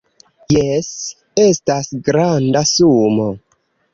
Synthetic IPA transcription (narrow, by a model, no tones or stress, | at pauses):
jes | e̞stasɡɾandasumo